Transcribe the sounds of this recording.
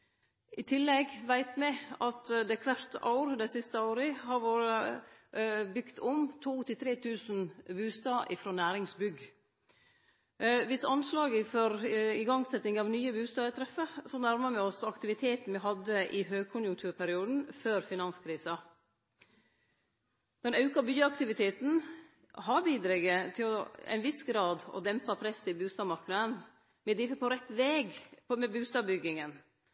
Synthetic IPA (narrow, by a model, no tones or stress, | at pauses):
ʔɪt̪ʰɪlːɛɡʋæɪt̪mɛɑt̪d̪ɛkʰʋæɾt̪ɑʊɾd̪æɪsɪst̪əɑʊɾəhɑɾʋoːɾə | bʏkt̪ʰɔmt̪ʰuːt̪ɪlt̪ʰɾeːt̪ʰʉːsn̩bʉːst̪ɑːʔɪfɾoːnæːɾɪŋsbʏɡ | ʋɪsɑnslɑːɡəfɔɾɪɡɑŋsɛt̪ːɪŋɑʋnyːəbʉːst̪ɑːət̪ʰɾɛfəsɔnæɾməɾmɛɔsɑkt̪ɪʋɪt̪ʰeːt̪n̩ʋɪɦɑd̪ːəʔɪɦøːɡ̚kʰʊnjʊŋkt̪ʰʉːɾpʰæɾɪuːd̪n̩føːɾfɪnɑnskʰɾiːsɑ | d̪̥ɛnɑʉkɑbyːəɑkt̪ɪʋɪt̪ʰeːt̪n̩ | ɦɑɾbiːd̪ɾɛɡət̪ʰɪlɔɛ̰ɪnʋɪsɡɾɑːd̪ɔ̰d̪ɛmpɑpʰɾɛsɪbʉːst̪ɑːmɑɾknəd̪ən | mɛd̪ɾɪːfəpʰɔɾɛt̪ːʋɛːɡmɛbʉːst̪ɑːbʏɡːɪŋən